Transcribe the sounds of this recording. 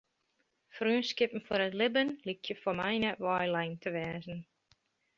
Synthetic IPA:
fryənskɪpn̩fɔɾətlɪbənlikjəfɔmɛjnəʋɑjlɛjntʰəʋɛːzn̩

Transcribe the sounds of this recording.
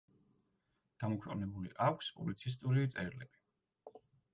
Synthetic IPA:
d̪̥amɔkʰwɛ̰qʼnɛbulḭʔakʰspʼublit̪sʰis̬t̪ʼuɾit̪sʼɛɾlɛb̥i̥

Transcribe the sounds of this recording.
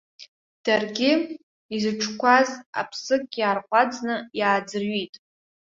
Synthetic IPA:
d̥arɡʲɪ | izɨʈ͡ʂʷʰkʷʰaza̰pʰsɨkʼjaːrqʷʼad͡znɨjaːd͡zɨrɥitʼ

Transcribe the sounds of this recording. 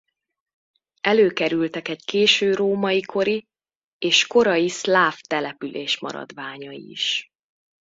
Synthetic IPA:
ɛløːkɛɾylt̪ɛkɛɟkeːʃøːɾoːmɒjikʰo̞ɾi | eːʃko̞ɾɒjislaːft̪ɛlɛpylʔeːʃmɒ̰ɾɒ̰d̪ʋaːɲɒḭḭʃ

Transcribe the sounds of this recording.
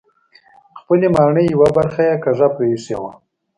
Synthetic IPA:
xpəlemɑɳəjawabaɾxajekaʐapɾeisewa

